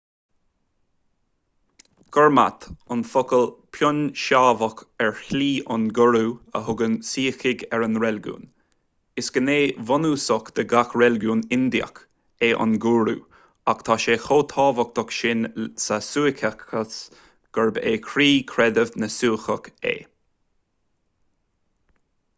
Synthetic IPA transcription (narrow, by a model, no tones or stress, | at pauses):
ɡ̥ɔɹma̰t̪ʊnfɔkəlpʰjɔnʃaːvəkɛɹçliːʊnɡʊɹuːə̰ɦʊɡənsiːxɪɡɛɹənɹɛlɡṵːn | ɪsɡ̥əneːvɔnuːsɔkd̪̥əɡaxɹɛlɡuːnɪnd̪iə̰k | eːʔʊ̰nɡuːɾṵː | akt̪ʰaʃeːxoːt̪ʰɑːvək̚t̪ɔkʃɪnsasuːɪkʰəkəs | ɡ̥əɹbḛːkʰɾiːkʰɾɛd̪əvnəsuːxəkḛː